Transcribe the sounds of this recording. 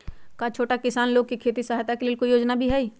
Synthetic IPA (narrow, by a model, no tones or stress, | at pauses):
kat͡ʃʰoːʈakɪsaːnloːɡ̚kikʰeːt̪isaɦat̪akeleːlkoijoːd͡ʒnabʱiɦɛiː